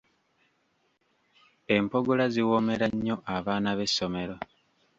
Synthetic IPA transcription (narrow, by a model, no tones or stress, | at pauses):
e̞mpo̞ɡolaziwome̞ɾaɲːo̞ʔaβaːnaβe̞sːo̞me̞ɾo̞